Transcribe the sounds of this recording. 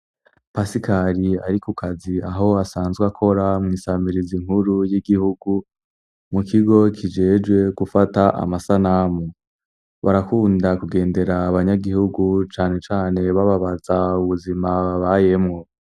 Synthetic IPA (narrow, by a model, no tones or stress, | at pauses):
pasikaɾiaɾikukʰaziaɦo̞asaːnzɡwakʰo̞ɾamŋiːsamiɾiziŋhuɾujiɡihuɡu | mukiɡo̞kʰid͡ʒe̞ːd͡ʒɡwe̞ɡufataʔa̰masanamo | βaɾakuːndakuɡe̞ːnde̞ɾaːβaɲaɡihuɡut͡ʃaːne̞t͡ʃaːne̞βaβaβazauβuzimaβaje̞mŋo